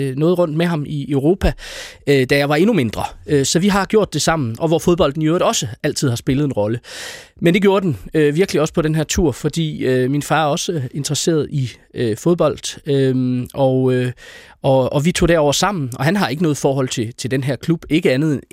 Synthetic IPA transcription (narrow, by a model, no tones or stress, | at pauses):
nɔ̽ːð̞̩ˠʁɔ̽n̰d̥meɦɑ̈miøʊʁo̝ːpʰæ | d̥æjɑ̈ɪʋɑ̈e̝nume̝nd̥ʁɐsɒ̽ʋiɦɑ̈ɡ̥jo̝ɐ̰d̥e̝sɑ̈m̰n̩ʔɒ̽ʋɒfo̝ðˠb̥ɒ̽l̰d̥niøːɒ̽səæl̰t͡sʰið̰ˠhɑ̈sb̥e̝ləð̞̩ˠe̝nʁɒ̽lə | mend̥e̝ɡjo̝ːɐd̥enøʋiɐɡ̥əliɒ̽sə̥pʰɒ̽ɾ̥enɦeɐt͡sʰṵɐ̰fɒ̽d̥ḭːøminfɑːæɐɒ̽səe̝nd̥ʁɐse̝̰ːɐð̞̩ˠiøfo̝ð̞ˠb̥ɒ̽l̰d̥øʔɒ | ʔɒ̽ɒʋit͡sʰo̝̰ːd̥æɐɒ̰ʊɐsɑ̈m̰n̩ɒ̽ɦænɦɑ̈e̝ɡ̥ənɔ̽ːð̩ˠfɒːɦɒ̽l̰t͡sʰe̝t͡sʰe̝ld̥enɦæɐ̰kʰlub̥e̝ɡ̥əænð̞̩ˠe